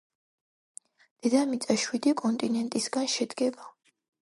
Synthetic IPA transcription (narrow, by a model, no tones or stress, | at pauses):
d̪̥ɛd̪amit̪sʼaʃwid̪ikʼɔnt̪ʼinɛnt̪ʼisɡanʃɛd̪ɡɛba